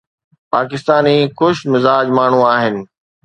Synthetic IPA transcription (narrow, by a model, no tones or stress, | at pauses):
paːkɪst̪aːnixʊʃmɪzaːd͡ʑmaːɳ̤ũaːɦɪnɪ̆